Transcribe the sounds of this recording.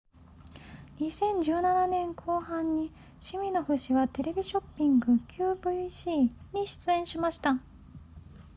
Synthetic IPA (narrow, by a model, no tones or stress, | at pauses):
ɲisẽ̞ɲ̟d͡ʑɨːnananẽ̞ŋkʰo̞ːhãɲːi | ɕimʲĩno̞ɸɯ̟ɕiβat̪e̞ɾe̞bʲiɕo̞pʲːĩŋɡɯ̟kʲʰɨːbɯiɕiːɲ̟iɕi̥t͡sɨẽɰ̃ɕimaɕi̥t̪a